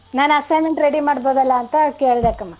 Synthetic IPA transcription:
naːnɐsɐjmeɳʈɾeɽimaːɽboːd̪ɐlːɐːnt̪ɐkeːɭd̪eːkɐmːaː

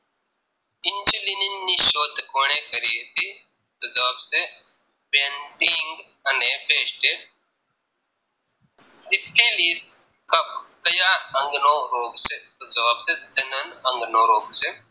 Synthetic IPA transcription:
ɪnt͡ʃulininːiʃoːd̪ʱkoːñẽkɐɾiet̪i | t̪od͡zɐʋaːbse | pẽɳʈiŋɡ | ɐnebeːsʈe | sipʰːeliːs | kɐp̚kɐjaɐ̃ŋɡnoɾoːɡset̪od͡ʒɐʋaːbsed͡ʒɐnənɐ̃ŋɡnoːɾoːɡse

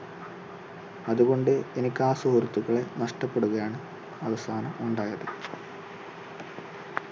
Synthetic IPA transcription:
ɐðuɣo̞ɳɖɨenikʲːaːsoɾɐt̪ːuɣɐɭe̞nɐʂʈɐpːe̞ɽuɣɐjaːɳɨ | ɐʋɐst̪ʰaːnɐmuɳɖaːjɐðɨ

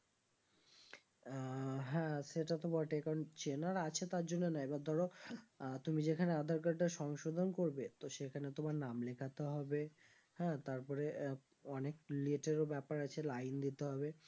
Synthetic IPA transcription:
ɦɛ̃ʃeʈat̪obɔʈekaɾont͡ɕenaɾat͡ɕʰet̪aɾd͡ʑonːenaebaɾd̪ʱɔɾo | t̪umid͡ʑekʰanead̪ʱaɾkaɾʈaʃɔŋʃod̪ʱonkoɾbet̪oʃekʰanet̪omaɾnamlekʰat̪eɦɔbe | hɛ̃t̪aɾpɔɾe | ɔnekleʈeɾobɛpaɾat͡ɕʰelajnd̪it̪eɦɔbe

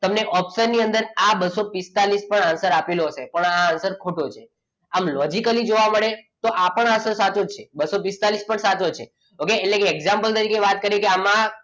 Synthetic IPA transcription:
t̪əmneʔɔpsəɾniənd̪əɾabəsopist̪alispəɳansəɾapeloɦəsepəɳaːnsəɾkʰoʈot͡ʃʰe | amlɔd͡ʒikəlid͡ʒoʋaməɭet̪oʔapəɳansəɾsat͡ʃot͡ʃʰebəsopist̪alispəɳsat͡ʃot͡ʃʰe | okeːʈlekeːɡzãmpəlt̪əɾikeʋat̪̚kəɾjekeama

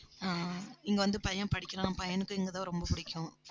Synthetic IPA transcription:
aːɪŋɡɐʋɐnd̪ɯpɐjɐpɐɽɪkʲːɪɾãːpɐjɐnɯkːɯɛŋɡɐt̪ãːɾɔmbɐpʊɽɪkʲːʊ̃

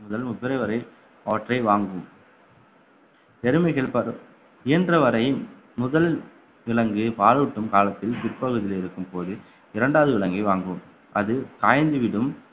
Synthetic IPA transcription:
mʊðɐlmʊpːɪɾɐɪʋɐɾɐɪ | ɐʋɐʈrɐɪʋaːŋɡɯm | t̪ɛɾɯmɐɪɣɐɭpɐɾɯ | ɪjɐndrɐʋɐɾɐɪ | mʊðɐl | ʋɪɭɐŋɡɯpaːluʈːɯmkaːlɐt̪ːɪlt̪ɪɾpːɐɣɯðɪleɪɾɯkːɯmpoːðɯ | ɪɾɐɳɖaːʋɐðɯʋɪɭɐŋɡɐɪʋaːŋɡɯm | ʔɐðɯkaːjɐnd̪ɯʋɪɽɯm

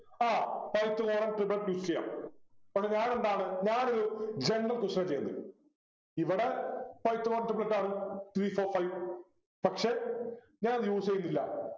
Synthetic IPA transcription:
aːpɐjt̪ːɨɣoːɾɐɳʈriblɐʈːjuːst͡ɕeja̰ːmpɐkʂeɲaːne̞nd̪aːɳɨɲaːnoɾud͡ʑeɳɖɐmkuʂɐnɐt͡ɕejːɐnːɨ | iʋiɽe̞fɐjt̪ːɨoːrɐɳʈrɨbɐlɐʈːaːɳɨt̪ɾiːfoːrfɐjʋ | pɐkʂe̞ | ɲaːnɐðɨjuːsejːunːilːɐ̰

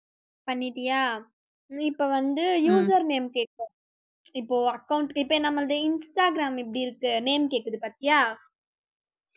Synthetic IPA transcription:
pɐnːiʈijaː | ipːoʋɐnd̪ɯjuːs̬ɐɾneːmkeːʈːõ | ipːoːɐkːɐwʊɳʈipːeːnɐmːɐɭd̪einsʈaːɡɾaːmip̬ːɽiːɾɯkːɯneːmkeːkːɐd̪ɯpɐt̪ːijaː

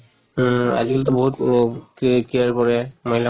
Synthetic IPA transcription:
a̰ziɡlt̪̬ɔboɦut | kiaɹpɔɹɛmoɦila

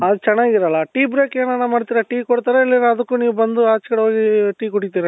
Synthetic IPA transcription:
ɐd̪ut͡ʃɛnːaːɡiɾɐlːɐʈiːbɾeːkeːnɐnːamaːɖt̪iɾɐʈiːkoɽt̪aːɾeɐlːinɐd̪ɐkːuniːʋubɐnd̪uaːt͡ʃkɐɽɦoːɡiʈiːkuʈit̪iːɾɐ

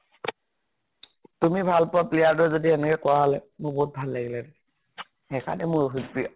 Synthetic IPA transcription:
tumibʱalpɔaplijadɔzodiɛnɛkɛkʊaɦɔlɛmʊɹboɦut̚bʱalːaɡilada | ɛkʰa̰nɛmʊɹɦutpi

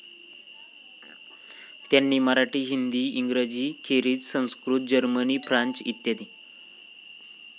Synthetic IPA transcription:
t̪janːimaɾaʈiːɦind̪iːiŋɡɾəd͡ʑiːkʰeɾiːd͡zsə̃w̃skɾuːt̪̚d͡ʑəɾməniːfɾaɲt͡sḭt̪jad̪i

